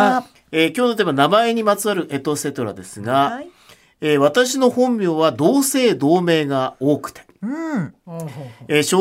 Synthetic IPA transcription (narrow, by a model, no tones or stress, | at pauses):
ekʲoːnot̪emanamae̞ɲ̟imat͡sɨaɾɯ̟ʔe̞t̪o̞se̞t̪o̞ɾa̰d̪e̞sɨɡa | eβ̞at̪aɕino̞hõ̞mbʲjo̞ːβad̪o̞ːse̞ːd̪o̞ːme̞ːɡao̞ːkɯ̟̥t̪e̥ | eɕo